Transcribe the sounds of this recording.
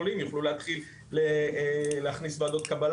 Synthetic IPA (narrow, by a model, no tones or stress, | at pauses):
olimjuχluleat̪χilː | eleaχnisvaːd̪o̞t̪kabal